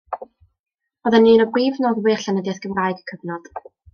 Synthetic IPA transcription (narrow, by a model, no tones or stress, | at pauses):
ɔðɛnːiːnɔbriːvnoːðwɪːrɬanədjaθɡ̥əvrajɡəkʰəvnɔd̥